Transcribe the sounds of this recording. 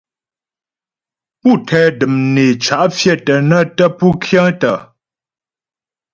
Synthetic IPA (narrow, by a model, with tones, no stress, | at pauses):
pu˦˨tʰɛː˦dɨ˨mne˨t͡ʃa˨ʔfjɛ˦˨tə˨nə˦tə˦pu˦kʰjə̃˦ŋtə˨